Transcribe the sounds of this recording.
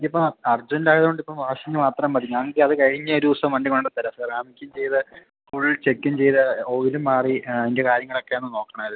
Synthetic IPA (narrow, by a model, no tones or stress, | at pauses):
kʲːipːɐmɐrd͡ʑɐndaːjɐðuɣo̞ɳɖipːɐmʋaːʂiɲːɨmaːt̪rɐmpɐd̪ikːaŋɡiɐðɨkɐɻiɲːɐoɾuusɐmʋɐɳɖikoɳɖɐt̪ːɐlɐsɐraːmikʲːumt͡ɕe̞jt̪ɨ | fuːɻilt͡ɕe̞kːumt͡ɕe̞jt̪ɨoːʋilumːaːriɐðinde̞kaːɾjɐŋːɐɭo̞kːe̞enːɨno̞ːkːɐɳɐmɐð